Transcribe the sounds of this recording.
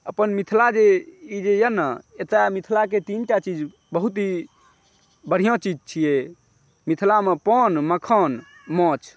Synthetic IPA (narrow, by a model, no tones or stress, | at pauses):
əpənmit̪ʰlad͡ʒeid͡ʒejənəet̪emit̪ʰlak̬et̪inʈat͡ʃid͡ʒ | bəɦut̪i | bəɽ̤ijõt͡ʃid͡ʒt͡ʃʰije | mit̪ʰlamepɔnməkʰɔn | mɔ̃t͡ʃʰ